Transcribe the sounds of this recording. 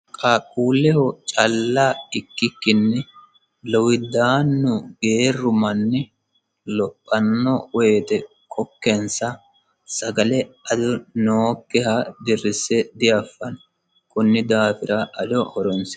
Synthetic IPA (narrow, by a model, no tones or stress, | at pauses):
kʼɐkʼuːlːɛhɔt͡ʃʼɐlːaɪkːɪkːɪnːɛ | lɔwɪd̪aːnːʊɡeːrːʊmɐnːɛ | lɔpʼːɐnːɔweːt̪ɛ | kʼɔkːɛnsɐ | sɐɡɐlɛɐd̪ʊnoːkːɛhɐd̪ɪrːɪsɛd̪ɪjɐfːɐn | kʼʊnːɪd̪aːfɪɾɐʔɐdɔhɔɾɔnsɛ